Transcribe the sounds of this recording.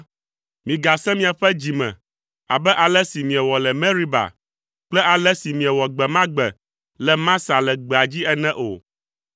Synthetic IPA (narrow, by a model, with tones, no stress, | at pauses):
mĩ˨ɡa˨sɛ̃˦mĩ˨a˨ɸɛ˦d͡ʑi˨mɛ̰̃˨ | a̰˨bɛ˦ʔa˨lɛ˦si˨mĩ˨ɛ˨wɔ˨lɛ˨mɛ̃˦ɾi˦ba̰˨ | k͡plɛ˦ʔa˨lɛ˦si˨mĩ˨ɛ˨wɔ˨ɡ͡bɛ˨mã˦ɡ͡bɛ˨ | lɛ˨mã˦sa˨lɛ˨ɡ͡bɛ˨a˨d͡ʑi˦ɛ˦nɛ̃˦ʔo̰˨